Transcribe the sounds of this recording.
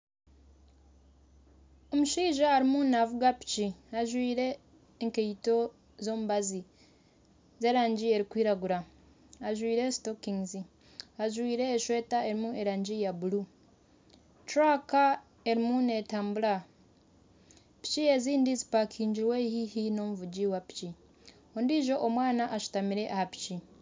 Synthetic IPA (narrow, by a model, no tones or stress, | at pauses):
o̞muʃiːʒaːɾimunavuɡapi̥t͡ʃiaʒwiːɾe̞ː | ŋkeito̞ | zo̞ːmuβazi | ze̞ːɾaːɲɟie̞ɾikwiːɾaɡuɾa | aʒwiːɾe̞stokiŋzi | aʒwiːɾe̞ːʃwe̞ːtae̞ɾimue̞ɾaːɲɟijabulu | tɾaka | e̞ɾimune̞taːmbula | pi̥cie̞ziːndizipakʰiːɲɟiɾwehihino̞muvuɟiwapi̥ci | ondiʒo̞ʔomwaːnaʔaʃu̥tamiɾe̞ʔahapi̥ci